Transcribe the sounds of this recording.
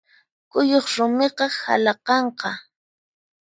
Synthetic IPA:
kʊjoχɾʊmeqɑha̰lɑqɑɴqɑ

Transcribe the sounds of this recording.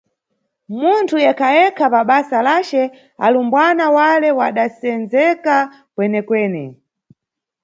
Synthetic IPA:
muntʰujɛkʰajɛkʰapaɓasalat͡ʃɛ | a̰lumbwanawalɛwaɗasɛnzɛka | pwɛnɛkwɛːnɛ

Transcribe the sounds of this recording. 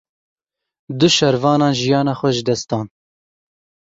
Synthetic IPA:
d̪ʊʃɛɾvɑːnɑːnʒijɑːnɑːxʷɛʒɨd̪ɛst̪ɑːn

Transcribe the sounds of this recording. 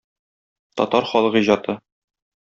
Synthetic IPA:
t̪ɒ̰t̪ɑɾχɒlˠɤʁiʑɑt̪ɤ

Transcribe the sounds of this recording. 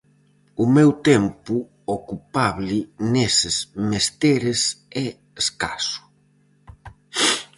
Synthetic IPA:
ʊmɛwt̪ɛmpʊ | okupaβlɪnesɪsmest̪eɾɪsɛ | eskasʊ̥

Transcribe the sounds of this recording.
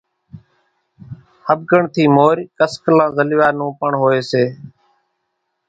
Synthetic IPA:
həb̚ɡəɳt̪ʰiːmoːɾkəsklãːzəlʋaːnũːpəɳɦoːeːseː

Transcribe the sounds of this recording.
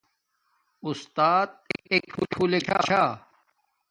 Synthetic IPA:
ʊst̪aːt̪̚kek̚ʰuʈʰuːlekʰa̰ːt͡ɕʰaː

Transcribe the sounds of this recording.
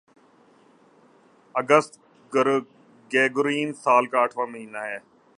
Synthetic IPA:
əɡəst̪ | ɡeːɡʊɾiːnsaːlkaːəʈʰʋãːməɦiːnaɦɛː

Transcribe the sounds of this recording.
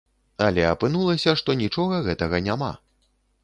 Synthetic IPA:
ɐlʲɛɐpɨn̪ulˠɐsʲɐʂt̪ɔnʲit͡ʂɔɣɐɣɛt̪ɐɣɐnʲama̰

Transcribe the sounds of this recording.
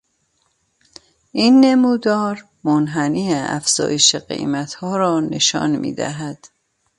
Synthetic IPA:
ʔiːnːemuːd̪ɒːɾ | monɦæniːeæ̰fz̥ɒ̰ːjeʃeɢḛjmæt̪hɒːɾɒːne̞ʃɒ̰ːnmḭːd̪æ̰ɦæd̪̥

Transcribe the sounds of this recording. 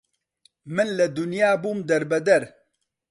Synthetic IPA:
mɨnlɐd̪ʊnjaːbuːmd̪ɐɾbɐd̪ɐɾ

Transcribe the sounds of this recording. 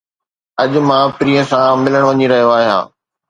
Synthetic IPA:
ɐʄʊmãːpɪɾiːə̃sãmɪləɽ̃ʋɐɲiɾɐɦijoaːɦijã̰ː

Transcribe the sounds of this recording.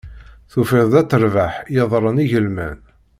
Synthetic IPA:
θufɪðd̪æt͡sːəɾvaħjəðˤɾˤəniʝəlmæ̰n

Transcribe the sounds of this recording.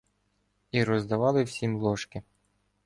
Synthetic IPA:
iɾɔzd̪ɐʋɑlˠɪwsʲimlˠɔʃkɪ

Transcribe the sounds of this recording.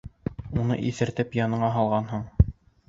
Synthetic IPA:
unɤ̰ʔiθɘ̆ɾt̪ɘpjɑnɤ̆ɴɑɦɑlˠʁɑnɦɤɴ

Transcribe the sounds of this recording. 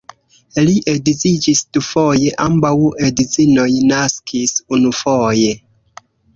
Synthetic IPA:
liʔedizid͡ʒisdufojeʔambawedizinojnaskʰisunufoje̞

